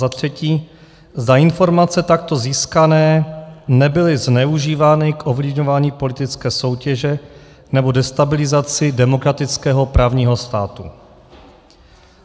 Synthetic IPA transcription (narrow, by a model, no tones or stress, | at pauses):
zat̪r̝̥ɛciː | zd̪aɪnfo̞ɾmat͡sɛt̪ak̚t̪o̞ziːskanɛːnɛbɪlɪznɛuʒiːvaːnɪkʔovlɪvɲo̞vaːɲiːpo̞lɪt̪ɪt͡skɛːso̞wcɛʒɛ | nɛbo̞dɛst̪abɪlɪzat͡sɪdɛmo̞kɾat̪ɪt͡skɛːɦo̞pɾʔaːvɲiːɦo̞st̪aːt̪ṵ